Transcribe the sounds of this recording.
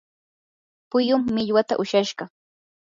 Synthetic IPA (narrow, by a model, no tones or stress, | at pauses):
pʊjʊmːɪʎwat̪a̰ʔʊʃaʃɢɑ